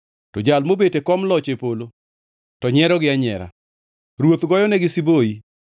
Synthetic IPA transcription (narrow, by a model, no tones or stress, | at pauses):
tɔd͡ʒalmobetekɔmlɔt͡ʃepolo | tɔɲɛɾɔɡɪaɲɛ̰ɾa̰ | ɾwot̪ɡɔjɔnɛɡɪsiboi